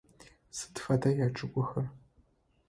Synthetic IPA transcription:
sɨ̥tfɐdʰɐjaːʈ͡ʂʼɨkʷʼʊxɐr

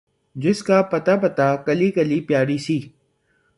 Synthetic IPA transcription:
d͡ʒɪskaːpɐt̪aːpət̪aːkəliːkəliːpjaːɾiːsiː

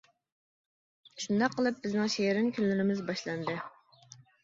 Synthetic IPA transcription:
ʃund̪ɑqʰːəlˠɨp̚bɪznɪŋʃeɪɾɪnkʲynlyɾɪmɪzbɑʃlˠɑnd̪ɨ

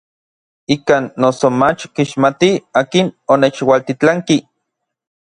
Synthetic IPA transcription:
ikaːnːosomat͡ʃkiʃmat̪iaːkinonet͡ʃwalt̪it͡ɬaŋki

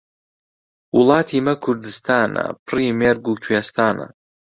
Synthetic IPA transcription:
ulˠaːt̪ʰimɐkʰuɾd̪ɨst̪ʰaːna̰priːmɛɾɡukʰwest̪aːna̰

